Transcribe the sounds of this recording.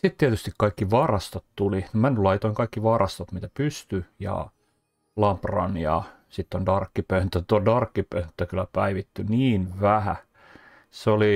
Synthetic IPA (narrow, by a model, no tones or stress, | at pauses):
sit̪t̪iet̪yst̪ikkɑikːiʋɑrɑst̪ot̪t̪ulinimænːylɑit̪oiŋkɑikːiʋɑrɑst̪ɑt̪mit̪æpyst̪yjɑ̰ | lɑmprɑ̰njɑ̰ | sit̪ːondɑrkːipønt̪ːæt̪uodɑrkːipønt̪ːækylːˑæpæiʋit̪ːyniːnʋæhæ̰ | seoli